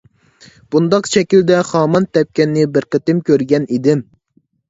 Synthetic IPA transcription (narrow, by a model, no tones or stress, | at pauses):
b̥und̪ɑqʃɛkʲild̪ɛχɑːmɑnt̪ɛp̚kʲɛnːɪbɪɾqət̪ɪmkʲʰøɾɡʲɛnid̪ɪm